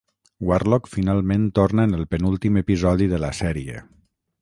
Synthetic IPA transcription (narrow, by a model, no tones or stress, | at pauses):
warlɔkfinalˠmẽnt̪oɾnəenəlˠpənulˠt̪imepizɔðiðələsɛɾiḛ